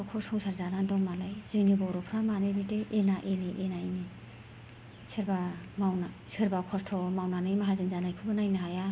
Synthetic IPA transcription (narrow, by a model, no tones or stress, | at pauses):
kʰɔshɔŋsʰaɾzanandɔmalajz̥ɯjnibɔɾɔpʰɾamanɯbiteʔenaʔeniʔenaini | sʰeɾbamawna | seɾbakʰɔst̪ʰɔmawnanɯjmaɦazɯnzanajkʰɯbɯnajnaɦaja